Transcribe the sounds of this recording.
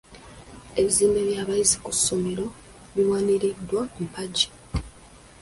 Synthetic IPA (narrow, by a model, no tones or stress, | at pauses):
e̞βiziːmbe̞βjaːβaizikusːomeɾo̞ | βiwaːniɾidːwampaɟi̥